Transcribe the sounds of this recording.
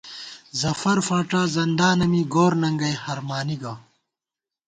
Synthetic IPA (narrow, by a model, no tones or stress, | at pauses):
zɐfɐɾfaːʈaːzɐnd̪aːnɐmiɡoːɾnɐŋɡɐjhɐɾmaːniɡaː